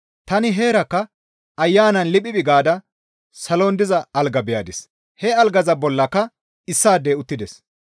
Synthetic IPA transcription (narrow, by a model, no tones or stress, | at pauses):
t̪ɐnɪɦeːɾɐkːɐ | ʔɐjːaːnɐnlɪpʼːɪbɪɡaːd̪ɐ | sɐloːnd̪ɪzɐɐlɡɐbɪjaːd̪ɪs | hɛɐlɡɐzɐbɔlːɐkːɐ | ɪsːaːd̪eːʊt̪ːɪd̪ɛs